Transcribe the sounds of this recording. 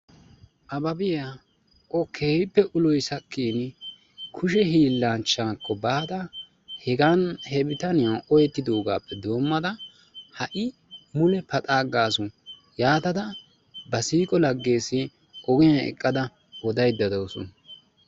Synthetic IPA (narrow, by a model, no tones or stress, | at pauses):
ʔɐbɐbɪja | kʼɔkʰːeːhɪpːɛʔʊlɔjsɐkːiːn | kʰʊʃɛɦiːlːaːnt͡ʃːaːkʰːɔbaːd̪ɐ | hɛɡɐnhɛbɪt̪ɐnɪjaʔɔjɛt̪ːɪd̪o̞ːɡa̰ːpːɛd̪o̞ːmːɐd̪ɐ | hɐʔɪ | mʊlɛpɐt̪ʼaːɡaːsʊ | jaːt̪ɐd̪ɐ | bɐsiːkʼɔlɐɡːe̞ːsːɪ | ʔɔɡɪjɐɛ̰kʼːɐd̪ɐ | wɔd̪ɐjd̪ːɐd̪oːsɔn